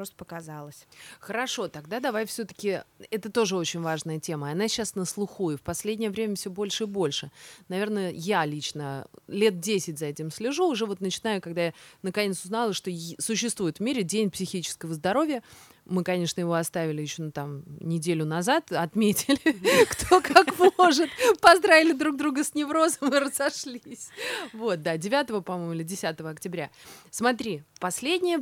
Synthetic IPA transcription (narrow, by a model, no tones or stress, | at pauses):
pɾost̪əpəkɐzalˠəsʲxəɾɐʂo̞t̪ɐɡd̪ad̪ɐvajfsʲɵt̪ə̥kʲɪɛt̪ət̪o̞ʐɨo̞t͡ɕɪnʲvaʐnəjətʲe̞məɐnaɕːasnəslˠʊxujɪfpɐsʲlʲedʲnʲɪjəvɾʲemʲəfsʲobo̞lʲʂɨɪbo̞lʲʂɨnɐvʲe̞rnəjalʲit͡ɕnəlʲe̞t̪̚dʲesʲɪtʲzɐɛtʲɪmsʲlʲɪʐuʊʐɛvo̞t̪nət͡ɕɪnajʊkɐɡ̚d̪ajanəkɐnʲe̞t̪sʊznalˠəʂt̪o̞sʊɕːɪst̪vuɪt̪vmʲiɾʲɪdʲenʲpsʲɪxʲit͡ɕɪ̥skəvəzd̪ɐɾo̞vʲɪjə | mɨkɐnʲe̞ʂnəjɪvo̞ɐst̪avʲɪlʲɪjɪɕːo̞nt̪amnʲɪdʲelʲʊnɐzat̪ɐt̪mʲetʲɪlʲɪkt̪ʰo̞kakmooʐɨt̪pɐzd̪ɾavʲɪlʲɪd̪ɾuɡ̚d̪ɾuɡəsʲnʲɪvɾo̞zəmɨrəzɐʂlʲisʲvo̞t̪̚d̪adʲɪvʲat̪əvəpɐmojmʊilʲɪdʲɪsʲat̪əvəɐktʲɪbɾʲasmɐt̪ɾʲipɐsʲlʲedʲnʲɪjə